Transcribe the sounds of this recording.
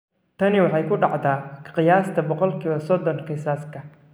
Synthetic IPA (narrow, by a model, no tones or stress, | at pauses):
t̪ʰɐnɪwɑħɑjkʰʊɖɑʕðaːqɪjaːst̪ʰɐbɔqɔlkʰiːβɐsɔd̪ɔŋkʰɪsaːskʰɐ